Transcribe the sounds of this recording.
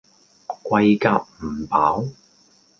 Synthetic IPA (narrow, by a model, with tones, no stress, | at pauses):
kʷwɐ˧jkaː˧p̚m̩˨˩paː˨˥w